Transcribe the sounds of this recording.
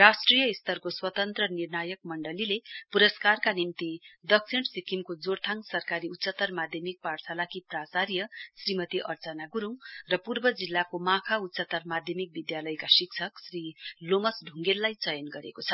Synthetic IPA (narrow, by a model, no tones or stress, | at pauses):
rasʈrijʌist̪ʌrkoswʌt̪ʌnt̪rʌnirnajʌk̚mʌɳɖʌlilepuɾʌskarkanimt̪id̪ʌksʰiɳsikʰimkod͡zort̪ʰaŋsʌrkaɾiut̪ːsʌt̪ʌrmad̪ʱjʌmik̚parsʰalakiprasaɾjʌsrimʌt̪iʔʌrt͡sʌnaɡuɾuwrʌpurbʌd͡zilːakomãkʰaut̪ːsʌt̪ʌrmad̪ʱjʌmik̚bid̪jalʌjkasik̚t͡sʰʌksrilomʌsɖʱuŋɡelːajt͡sʌjʌnɡʌɾḛkot͡sʰʌ